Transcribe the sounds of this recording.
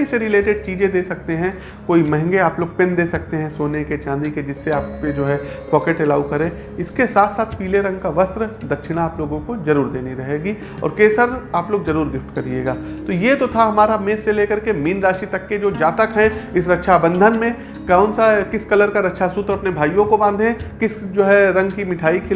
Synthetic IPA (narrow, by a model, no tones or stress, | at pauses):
iseɾɪleːʈɪɖ̚t͡ʃiːd͡ʒẽd̪eːsɐk̚t̪eɦɛ̃ | koːimɛ̃ɦɛ̃ŋɡeaːploːɡ̚pɪ̃nd̪eːsɐk̚t̪eɦɛ̃soːneket͡ʃãːnd̪iked͡ʒɪsːeaːp̚ked͡ʒoːɦɛpɔːkeʈɛlaːʊkɐɾẽ | ɪskesaːt̪ʰsaːt̪ʰpiːleɾɐ̃ŋɡkaʋɐst̪ɾəd̪ɐkʃɪɽ̃aaːploːɡõkozɐɾuːɾd̪eːniɾɐɦeːɡi | ɔ̰ːɾkeːsəɾaːploːɡzɐɾuːɾɡɪfʈkɐɾieːɡaːt̪ojet̪ot̪ʰaɦɐmaːɾameːsseleːkɐɾkemiːnɾaːʃit̪ɐkːed͡ʒoːd͡ʒaːt̪əkɦɛ̃ɪsɾɐkʃʰabɐ̃nd̪ʱənmẽ | kaːʊnsakɪskɐləɾkaɾɐkʃʰasuːt̪ɾoɐpnebʱaːijõkobãːnd̪ʱeɦkɪsd͡ʒoːɦɛɾɐ̃ŋɡkimɪʈʰaːikʰɪ